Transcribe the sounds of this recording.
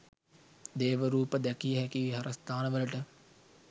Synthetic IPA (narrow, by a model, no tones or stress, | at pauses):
d̪eːʋəɾuːpəd̪ɛkijəɦɛkiʋiɦɐɾəst̪aːnəʋələʈə